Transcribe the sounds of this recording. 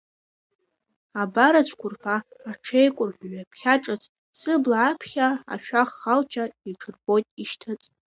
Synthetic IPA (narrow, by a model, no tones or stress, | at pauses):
abaɾat͡ʃʷʰkʷʊrpʰaːʈ͡ʂʰejkʷʼʊrħʷᶣɥapʰχʲaʈ͡ʂʼɨt͡sʰʼ | sɨblʕapʰχʲaa̰ʃᶣaχːalt͡ʃʰaiʈ͡ʂʰɨrbo̞jtʼiʃtʰat͡sʼ